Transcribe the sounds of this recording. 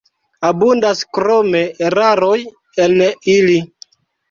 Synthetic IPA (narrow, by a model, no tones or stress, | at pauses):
abundaskɾome̞eɾaɾoj | enili